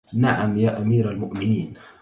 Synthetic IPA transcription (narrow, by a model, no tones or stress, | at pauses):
naʕamjaːʔamiːɾalmʊʔmɪniːn